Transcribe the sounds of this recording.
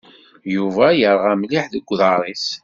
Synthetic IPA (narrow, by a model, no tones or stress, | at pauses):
juvæjəɾˤʁæmliħðəɡʷːðɑɾˤis